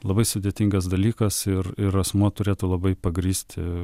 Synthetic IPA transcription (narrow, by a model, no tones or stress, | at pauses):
lˠɐbɐɪsʊd̪ʲeːt̪ʲɪŋɡɐs̬d̪ɐlʲiːkɐsɪrɪɾɐsmuɔt̪ʊɾʲeːt̪ʊlˠɐbɐɪpɐɡɾʲiːsʲt̪ʲɪ